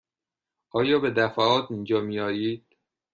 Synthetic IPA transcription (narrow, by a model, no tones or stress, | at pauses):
ʔɒːjɒːbe̞d̪æfæɒːt̪ʰind͡ʒɒːmijɒːjiːd̪̥̚